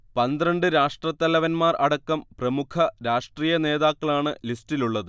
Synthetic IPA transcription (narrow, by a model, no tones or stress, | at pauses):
pɐnd̪ɾɐɳɖɨɾaːʂʈrɐt̪ːɐlɐʋɐnmaːrɐɽɐkːɐmprɐmukʰɐɾaːʂʈriːjɐne̞ːðaːkːɐɭaːɳɨlistiluɭːɐðɨ